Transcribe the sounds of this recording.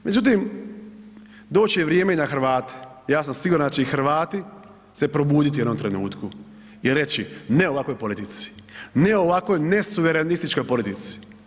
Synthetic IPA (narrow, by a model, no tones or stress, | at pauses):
me̞d͡ʑut̪̬im | d̪o̞ːt͡ɕiʋɾjeːmeinaxɾʋaːt̪e̥jaːs̬amsiɡuɾand̪at͡ʃeixɾ̩ʋaːt̪i | se̞pɾo̞buːd̪it̪iwjed̪nomt̪ɾe̞nṵːt̪ku | iɾe̞t͡ɕine̞o̞ʋako̞jpo̞lit̪it̪si̥neo̞ʋako̞jne̞suʋeɾenist̪it͡ʃko̞jpo̞lit̪it̪si̥